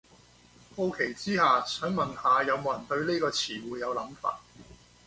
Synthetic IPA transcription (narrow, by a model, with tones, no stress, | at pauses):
ho˥wkʰe˨˩jt͡siː˥haː˨sœː˨˥ŋmɐ˨˩nhaː˨˧jɐ˨˧wmo˨˧˥jɐ˨˩nt̪ɵ˧ɥniː˥kɔː˧t͡sʰiː˨˩wuː˨˧jːɐ˨˧wlɐ˨˥mfa̰ː˧t̚